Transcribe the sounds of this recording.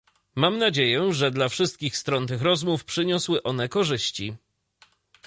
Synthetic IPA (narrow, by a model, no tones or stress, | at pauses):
mamnad͡ʑejɛʐɛd̪lafʂɘst̪̚kʲixst̪ɾɔnt̪ɘxɾɔzmufpʂɘɲɔswɘʔɔn̪ɛkɔʐɘɕt͡ɕi